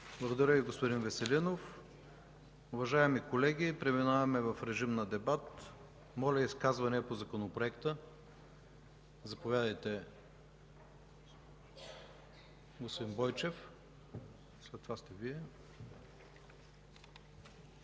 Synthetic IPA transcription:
blˠɐɡod̪ɐɾəviɡospoʊd̪invɛsɛlinof | ʊvɐʒaɛmikolɛɡʲipɾɛminavɐmɛvɐfɾɛʒimnɐd̪ɛbat̪ | mɔlʲɐiskazvɐniɐpozɐkonopɾoɛkt̪ə | zɐpovʲjad̪əjt̪ɛ | ɡospod̪inbɔjt͡ʃɛf | slɛt̪ːovast̪ɛviɛ

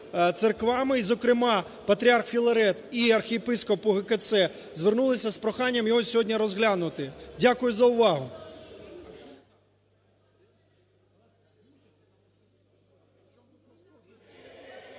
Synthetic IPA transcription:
t̪serkʋɑmɪizɔkɾɪmɑ | pɐt̪ɾʲiɑrxfʲilˠɐɾɛt̪iɐrxʲijepɪskɔpʊɦeket̪sɛ | zʋernulˠɪsʲɐspɾɔxɑnʲːɐmjɔɦɔsʲɔɦɔdʲnʲiɾɔzɦlʲanʊt̪ɪdʲakʊjʊzɐʊʋɑɦʊ

